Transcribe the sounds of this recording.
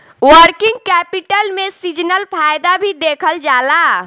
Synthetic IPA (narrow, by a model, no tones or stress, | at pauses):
wəɾkɪ̃ŋɡ̚kɛːpɪʈəlmẽsid͡ʒnəlpʰaːjd̪abʱid̪eːkʰəld͡ʒaːlaː